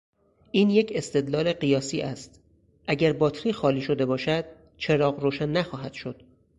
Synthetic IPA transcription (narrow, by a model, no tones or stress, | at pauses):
ʔiːnje̞cʰe̞st̪e̞d̪lɒːleɢijɒːsiːʔæst̪ | ʔæɟæɾbɒːt̪ʰɾiːxɒːliːʃo̞d̪e̞bɒːʃæd̪̥̚ | t͡ʃʰe̞ɾɒːɢɾoːʃænːæxɒːɦæd̪̥ʃo̞d̪̥